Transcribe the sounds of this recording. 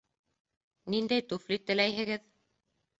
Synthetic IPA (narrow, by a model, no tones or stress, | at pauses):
nind̪æjt̪ʉflit̪ːɘ̆læjɦɘ̆ɡɘð